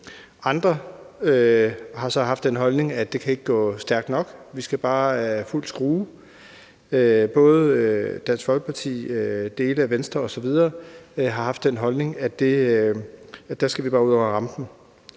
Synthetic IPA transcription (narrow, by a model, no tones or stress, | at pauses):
ɑ̈nd̥ʁɐ | øhɑ̈sɒ̽ɦɑ̈fd̥enɦɒ̽lne̝ŋæd̥e̝kʰæe̝ɡ̥əɡ̥ɔ̰̽ːsd̥æɐɡ̥d̥nɒ̽ɡ̥ʋisɡ̥æb̥ɑ̈ːful̰̥sɡ̥ʁuː | øb̥ɔ̽ːð̞̩ˠød̥ænsfɒ̽lɡ̥ə̥pʰɑ̈t͡sʰḭːød̥e̝ːləæʋensd̥ʁɐɒ̽sɒ̽ʋið̞ˠɐːɦɑ̈hɑ̈fd̥enɦɒ̽lne̝ŋæd̥e̝ | d̥æɐsɡ̥æʋib̥ɑ̈ːuðˠɒʊ̰ɐʁɑ̈md̥n̩